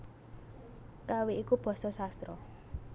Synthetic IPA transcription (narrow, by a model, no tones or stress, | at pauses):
kaweikub̥ɔ̤sɔsast̪ɾɔ